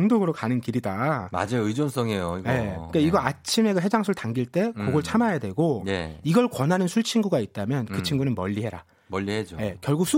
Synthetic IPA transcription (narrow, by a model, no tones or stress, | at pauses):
ŋdoɡɯɾokanɯnkiɾidama̰d͡ʑeɯd͡ʑons͈ʰʌŋejoiɡje̞ɯk͈aiɡʌat͡ɕʰime̞kɯɦe̞d͡ʑaŋsʰuɭtaŋɡiɭt͈e̞koɡʌɭt͡ɕʰamajadwe̞ɡoj̰iɡʌɭkwʌnɦanɯnsʰuɭt͡ɕʰinɡuɡait̚t͈amjʌnkɯt͡ɕʰiŋɡunɯnmʌʎːihe̞ɾa | mʌʎːihed͡ʑoje̞kjʌɭɡuk̚s͈ʰu